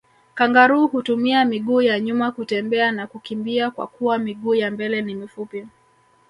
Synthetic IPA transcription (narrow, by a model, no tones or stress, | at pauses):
kaŋɡaɾuːhutumiamiɠuːjaɲumakutɛmbɛanakukimbiakwa̰kuwamiɠuːjambɛlɛnimifupi